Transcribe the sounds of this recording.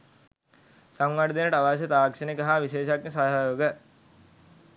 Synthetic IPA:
saŋʋaɖd̪enəʈəaʋas̬ɐt̪aːkʂənikɐɦaʋiʃeːʃaknesaɦajoːɡə

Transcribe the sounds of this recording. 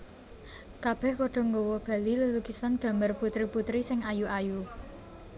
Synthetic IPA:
kab̥ɛ̤hpɔɖ̥ɔ̤ŋɡowɔb̥a̤liləlukisanɡ̥ä̤mərput̪ɾiput̪ɾisɪŋajuʔaju

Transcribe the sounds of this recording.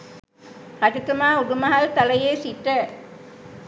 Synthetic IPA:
hɐʈit̪umaːuɖumɐɦɐlt̪ɐlɐjeːsiʈːə

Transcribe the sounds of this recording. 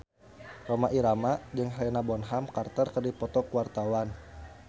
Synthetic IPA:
romaʔiɾamad͡ʒəŋɦlɛnabɔnɦamkart̪ərkərdipɔt̪ɔkuwart̪awan

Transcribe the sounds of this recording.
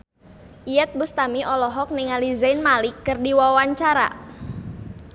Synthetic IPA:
ʔijɛt̪̚bust̪amiʔɔlɔɦɔk̚niŋalizajnmalɪkːɨrdiwawaɲt͡ʃaɾa̰

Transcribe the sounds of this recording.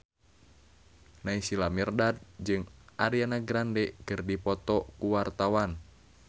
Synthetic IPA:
naisilamirdad̪̚d͡ʒɨŋʔaɾianaɡɾandɛkɨrdipɔt̪ɔkuwart̪awan

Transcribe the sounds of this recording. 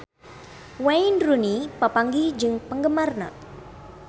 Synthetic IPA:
wajnrunipəpaŋɡid͡ʒɨŋpəŋɡəmarna̰

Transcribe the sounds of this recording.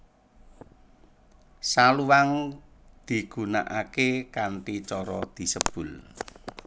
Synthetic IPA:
saluwaŋd̪̥i̤ɡ̥ṳna̰ʔakekanʈit͡ʃɔɾɔd̪̥i̤səb̥ʊ̤l

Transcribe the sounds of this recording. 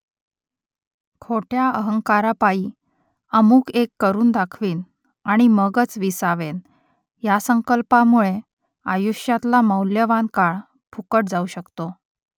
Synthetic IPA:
kʰoʈʰjaəɦəŋkaɾapai | əmuːkekːəɾuːnd̪akʰʋiːn | aɽ̃iməɡət͡sʋisaʋen | jasəŋkəlpamuɭe | ajuɕjat̪laməwljəʋankaɭ | pʰukəʈ̚d͡zauɕəkt̪o

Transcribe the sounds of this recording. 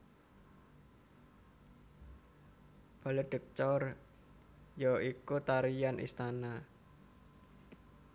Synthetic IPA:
b̥a̤leɖ̥ə̤k̚t͡ʃɔr | jɔikut̪aɾijanʔḭst̪ana

